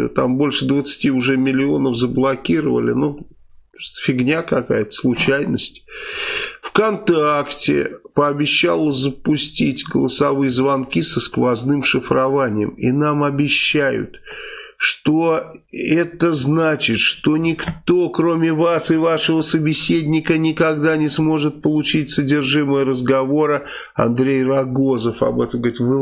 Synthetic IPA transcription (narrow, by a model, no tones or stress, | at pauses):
t̪ambo̞lʲʂɨd̪vət̪sɨ̥tʲiʊʐɛmʲɪlʲɪo̞nəfzəblˠɐkʲiɾəvə̰lʲɪ̰nu | fʲɪɡnʲakɐka̰jət̪ə̥slˠʊt͡ɕæjnəsʲtʲ | fkɐnt̪aktʲɪ̰pəɐbʲɪɕːa̰lˠəzəpʊsʲtʲitʲɡəlˠəsɐvɨjəzvɐnkʲisəskvɐznɨmʂɨfɾɐvanʲɪjə̰minamɐbʲɪɕːæjʊ̰t̪ʂt̪oɛt̪əznat͡ɕɪt̪ʂt̪o̞nʲɪkt̪o̞kɾo̞mʲɪvasɨvaʂəvəsəbʲɪsʲedʲnʲɪkənʲɪkɐɡd̪anʲɪsmo̞ʐɨt̪̚pəlˠʊt͡ɕitʲsədʲɪrʐɨməjəɾəzɡɐvo̞ɾə | ɐ̰nd̪ɾʲejrɐɡozəfɐ̰bɛt̪əmɡɾitvɨ